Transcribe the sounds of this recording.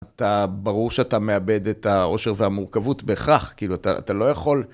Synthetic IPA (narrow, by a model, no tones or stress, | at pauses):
atabaʁuʁʃeatame̞abed̪etao̞ʃe̞ʁveamuʁkavutbeχaχkiːluata̰a̰talo̞jaχo̞l